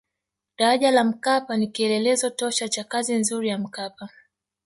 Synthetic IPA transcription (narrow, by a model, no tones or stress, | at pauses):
ɗaɾaʄalam̩kapanikiɛlɛlɛzɔtɔʃat͡ʃakazinzuɾijam̩kapa